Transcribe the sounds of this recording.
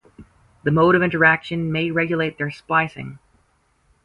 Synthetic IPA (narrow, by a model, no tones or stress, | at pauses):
ðɨmoʊɾʌvɪ̃ntə˞ækʃɨ̃nmeɪɹɛɡjɨleɪt̪̚ðə˞spaɪsɪ̰̃ŋ